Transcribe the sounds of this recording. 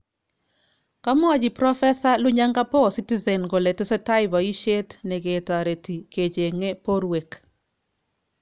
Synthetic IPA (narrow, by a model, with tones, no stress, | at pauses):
ka˦mɔ˦a˦d͡ʒi˨pɾɔ˦fɛ˦sa˦lʊ˦ɲa˦ŋɡa˦pɔ˦˨si˦ti˦zɛ˨nɡɔ˨lɛ˨tɪ˦sɛ˦ta˦ɪba˨i˦ʃe˦tnɛ˨ɡeta˨ɾe˨ti˨ke˨t͡ʃe˨ŋe˦po˦ɾwe˨k